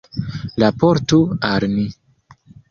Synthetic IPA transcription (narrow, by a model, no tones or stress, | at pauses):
lapoɾtualmi